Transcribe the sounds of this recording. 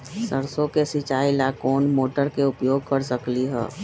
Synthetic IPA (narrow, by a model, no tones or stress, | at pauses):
səɾsõkesɪt͡ʃaːilakoːnmoːʈəɾkeʊpjoːɡ̚kəɾsəkliɦɛ̰ː